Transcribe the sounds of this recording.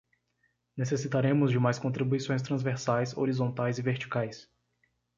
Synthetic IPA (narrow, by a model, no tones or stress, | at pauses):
nesesit̪aɾẽmʊzd͡ʒɪmajskõnt̪ɾibuisõj̃s̬t̪ɾɐ̃zveɾsajso̰ɾizõnt̪ajzɪveɾt͡ʃi̥kajs